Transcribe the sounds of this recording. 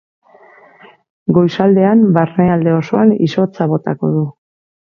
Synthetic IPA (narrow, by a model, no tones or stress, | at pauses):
ɡo̞jsald̪e̞ambarneald̪e̞o̞so̞anḭso̞t͡saβo̞t̪ako̞̰ðu